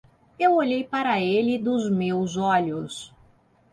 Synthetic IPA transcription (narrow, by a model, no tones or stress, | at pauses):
ewoʎejpaɾɐelɪd̪ʊzmewzɔʎʊs